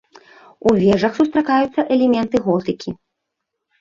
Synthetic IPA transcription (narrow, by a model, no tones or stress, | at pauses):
uvʲɛʐɐxsust̪ɾakajut̪sːɐʔɛlʲɛmʲɛnt̪ɨɣɔt̪ɨkʲʰi